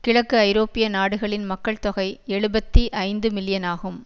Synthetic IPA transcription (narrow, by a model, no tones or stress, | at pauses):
kɪɻɐkːɯɐɪɾoːpɪjɐnaːɽɯɣɐɭɪnmɐkːɐɭt̪ɔɣɐɪɛɻɯbɐt̪ːiʔɐɪnd̪ɯmɪlɪjɐnaːɣɯm